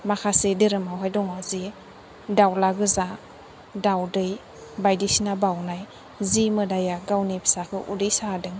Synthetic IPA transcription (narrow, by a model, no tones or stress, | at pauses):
makʰasedɯɾɯmawɦajdɔŋɔzi | dawlaɡɯza | dawdɯj | bajdisinabawnaj | zimɯdajaɡawnipʰi̥sakʰɯʔudɯjsaadɯŋ